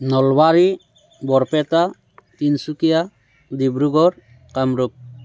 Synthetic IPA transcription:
nɔlbaɾi | bɔɾpɛt̪a | t̪insukija | d̪ibɾuɡɔɾ | kamɾuk̚

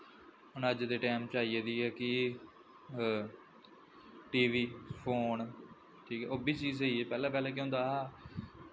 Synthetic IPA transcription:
ɦʊnəd͡ʒd̪eːʈɛːmt͡ʃaːieːd̪iːɛːkɪ | ʈiːʋiːpʰoːn | ʈʰiːkɛ̰ʔoːbiːt͡ʃiːzeiːɛːpɛːlãːpɛːlɛ̃ːk̬ẽõnd̪aːɦː

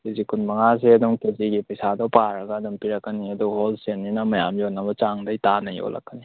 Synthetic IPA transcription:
kezikʰunmɐŋas̬iɐduŋkeziɡipɐjsadɔpaɾɐɡɐːdɐmpiɾɐkːɐniɐduholsenːinɐmɐjamjonɐbɐt͡ʃaŋdɐjtanɐjo̰lɐ̰kːɐni

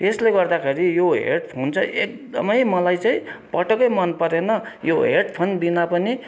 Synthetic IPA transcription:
esleɡʌrd̪akʰeɾijoɦḛʈpʰont͡sʰʌʔek̚d̪ʌ̰mʌjmʌlajt͡saĩpʌʈʌkʌjmʌnpʌɾenʌjoɦeʈpʰonbinapʌni

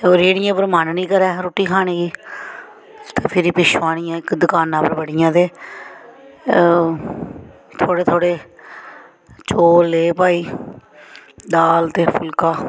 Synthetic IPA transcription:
oːɾeːɽɪjãːpəɾmaːnnĩːkəɾɛːɾoːʈiːkʰaːɽ̃ẽːɡiː | t̪eːpʰɪɾiːpɪʃʋaːɽ̃ijãːɪkd̪ʊkaːnãːpəɾbəɽɪjãːd̪eː | t̪ʰoːɽeːt̪ʰoːɽeː | t͡ʃoːlːeːpaːiː | d̪aːlt̪eːpʰʊlkaː

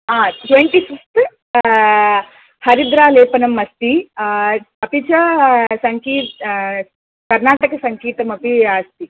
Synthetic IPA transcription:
aːʈʋeɳʈisikst̪ | hɐɾid̪ɾaːleːpɐnɐmːɐst̪i | ɐpit͡ʃɐsɐŋkiː | kɐɾnaːʈɐkɐsɐŋkiːt̪ɐmɐpiaːst̪i

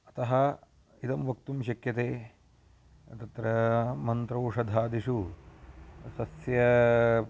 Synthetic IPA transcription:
ɐt̪ɐɦɐ | it̪ɐmʋɐk̚t̪umʃɐkjɐt̪eː | t̪ɐt̪ɾɐmɐnt̪ɾoːʂɐd̪ʱaːd̪iʂu | sɐsjɐ

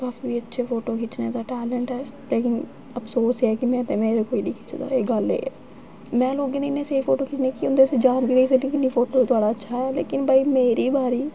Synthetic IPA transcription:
kaːfiːbːətːʃʰeːpʰoːʈoːkʰɪt͡ʃnẽːt̪aːʈɛːləɳʈɛː | leːkɪn | əpsoːsɛːkɪmɛ̃ːnːmẽːɾekoːiːnĩːkʰɪ̥t͡ʃd̪a̰ːeːɡəlḛːɛ̰ː | mɛ̃ːloːɡeːneɪnːẽːseːiːpʰoːʈoːkʰɪt͡ʃnẽːkɪʊ̃nd̪eːsed͡ʒaːnʋid̪eːs̬əknĩːkɪniːpʰoːʈoːt̪ʊaːɽaːətːʃʰaːɦɛːlḛːkɪnbʱaːiːmeːɾiːbaːɾiː

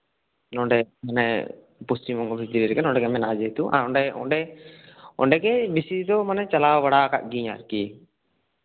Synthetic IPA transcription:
nɔɳɖɛmanɛ̰ | pustimɔŋɡɔbʱit̪iɾiɾɛkɛnɔ̃ɳɖɛɡɛmɛnad͡ʒet̪uʔa̰ɔɳɖɛɔ̰ɳɖɛ | ɔ̰ɳɖɛɡɛbisid̪ɔmanɛt͡ʃalawaɽaka̰ʔ̚ɡiɲa̰ɾki

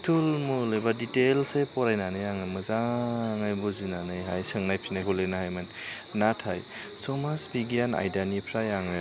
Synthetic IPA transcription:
tʰulmulejbaditelsepɔɾajnanɯjaŋɯjmɯzaŋajbɔzinanɯjɦajsɯŋnajpʰinajɡʰɔlenaɦajman | natʰajsɔmasbiɡjana̰jdanipʰɾajaŋɯj

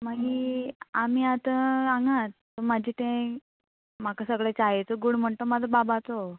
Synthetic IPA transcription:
maɡiamiːat̪əaŋɡãt̪ːomad͡ʑʱiːʈ̪ẽ | m̤akasəɡɭet͡ɕaɦet͡soɡuɽm̤əɳt̪omad͡zʱəbabat͡so

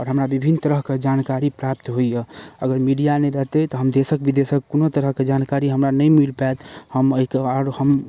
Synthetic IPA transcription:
ɔːɾɦəmɾabibʱinːt̪əɾəɦked͡ʒankaɾipɾap̚t̪ɦoijeəɡəɾmiɖijaneɾəɦt̪ɛt̪ɔɦəmd̪esək̚bid̪esəkːonot̪əɾəɦked͡ʒankaɾiɦəmɾanəjmilpajt̪həməɦikeɔːɾhəm

